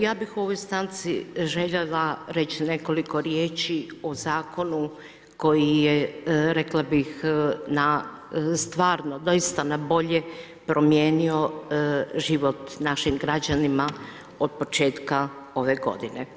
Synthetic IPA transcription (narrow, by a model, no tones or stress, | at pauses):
jaːbixuo̞ʋo̞jst̪ant̪siʒeʎelaɾet͡ɕne̞ko̞liko̞ɾjeːt͡ʃiozaːko̞nu | ko̞jijeɾeklˠabixna | st̪ʋaːɾno̞d̪o̞jist̪anabo̞ʎe | pɾʔo̞mjeːnio̞ | ʒiʋo̞t̪naʃimɡɾad͡ʑanima | od̪̚po̞t͡ʃe̞ːt̪ka | o̞ʋe̞ɡo̞̰d̪ine